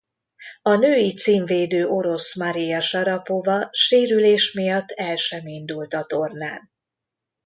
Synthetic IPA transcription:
ɒnøːjit̪siːɱveːd̪øːʔo̞ɾo̞smɒɾijɒʃɒɾɒpovɒʃeːɾyleːʃmijɒt̪ʰːɛlʃɛmind̪ult̪ɒt̪ornaːn

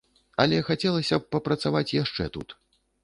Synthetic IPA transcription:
ɐlʲɛxat͡sʲɛlˠɐsʲɐpːɐpɾɐt̪savat͡sʲjaʂt͡ʂɛt̪ṵt̪

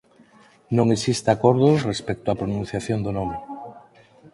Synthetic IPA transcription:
nõŋesist̪akoɾðorespek̚t̪oapɾonũnθjaθjond̪onome

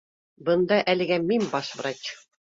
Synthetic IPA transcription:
bɤ̆nd̪ɑʔælɘ̆ɡæminbɑʃvɾɑt͡ɕ

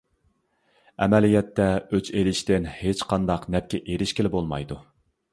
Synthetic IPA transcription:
ɛ̰mɛlijɛt̪ːɛøt͡ʃelɪʃt̪ɪnhet͡ʃqʰɑnd̪ɑqnɛp̚kʲɛʔeɾɪʃkʲelɪbolˠmɑ̰jd̪u

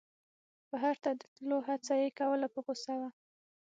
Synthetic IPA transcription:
baɦaɾt̪ad̪ət̪loɦat͡sajekawəlapəposawa

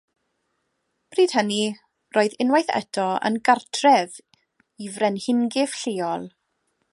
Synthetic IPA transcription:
b̥riːd̥həni | roːɨðɪnwajθɛ̰dʰɔə̰nɡartʰrɛv | ivrɛnhɪŋɡɪv̥ɬɪːɔlˠ

